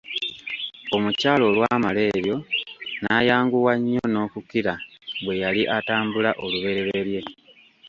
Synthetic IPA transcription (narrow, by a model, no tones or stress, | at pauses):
o̞mucaːlo̞lwaːmale̞ːɾjo̞naːjaːŋɡuwaɲːo̞no̞ːkukiɾaβwe̞jaliʔataːmbulaʔoluβe̞ɾe̞ɾeɾje̞